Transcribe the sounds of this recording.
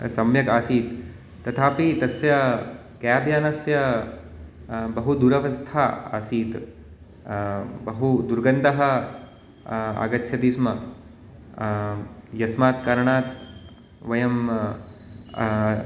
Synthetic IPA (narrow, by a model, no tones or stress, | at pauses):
sɐmjɐkaːsiːt̪ː | ɐt̪ʰaːpit̪ɐsjɐ | kjaaːbjaːnɐsjɐ | bɐɦud̪uɾɐʋɐst̪ʰaːa̰ːsiːt̪ | bɐɦud̪uɾɡɐnd̪ɐɦɐ̆ | a̰ɡɐt̪ːʃʰɐd̪iːsmɐ | jɐsmaːt̪kɐɾɐɳaːt̪ | ʋɐjɐm